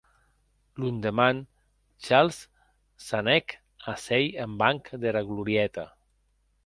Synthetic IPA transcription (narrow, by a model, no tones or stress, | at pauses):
lund̪eman | t͡ʃalˠsː | anɛk | asɛjembaŋkd̪eɾaɣluɾjɛt̪a